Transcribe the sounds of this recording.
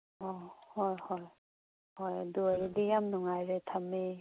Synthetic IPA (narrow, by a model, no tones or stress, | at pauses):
ɔhɔjhoj | hojɐ̰duajdijamnuŋajɾetʰame